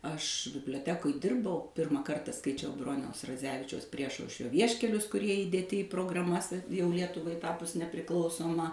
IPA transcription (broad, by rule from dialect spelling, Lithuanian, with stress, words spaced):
ɐʃ bʲɪbʲlʲoːˈtʲæːkoːj ˈdʲɪrbɐʊ ˈpʲɪrmɑː ˈkɐrtɐ skɐɪˈt͡ʃʲɛʊ ˈbroːnʲɛʊs rɐˈd͡zʲæːʋʲɪt͡ʃʲɛʊs ˈpʲrʲiɛʃɐʊʃʲrʲoː ˈʋʲiɛʃʲkʲɛlʲʊs kʊˈrʲiɛ iːdʲeːˈtʲɪ iː proːɡrɐˈmɐs ɐ jɛʊ ˈlʲiɛtʊʋɐɪ ˈtɑːpʊs nʲɛpʲrʲɪˈklˠɐʊsoːmɐ